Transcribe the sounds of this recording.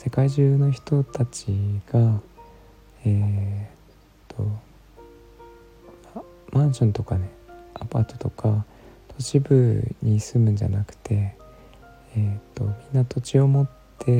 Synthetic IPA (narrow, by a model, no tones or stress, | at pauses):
se̞kaiʑɨːno̞çi̥t̪o̞t̪at͡ɕiɡ̥a | e | t̪ʰːo̞ | ma | mãɰ̃ɕõ̞nt̪o̞kane̞apat̪ːo̥t̪o̞kʰa | t̪ʰo̞t͡ɕibɯ̟ɲ̟isɨmɯ̟̃ɲ̟d͡ʑa̰nakɯ̟̥t̪e̞ | et̪ːo̞̰mʲĩnːat̪ʰo̞t͡ɕio̞mo̞t̪ːe̞